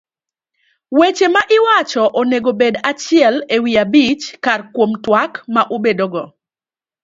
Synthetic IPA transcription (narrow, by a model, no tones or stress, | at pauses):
wet͡ʃemaʔɪwat͡ʃɔʔoneɡobedat͡ʃɪɛlewiabit͡ʃkarkwomtwakmaʔobedoɡɔ